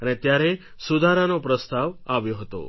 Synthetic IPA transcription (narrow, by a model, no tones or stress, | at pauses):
ənet̪jaɾe | sud̪ʱaɾanopɾəst̪aʋaʋjoɦət̪o̰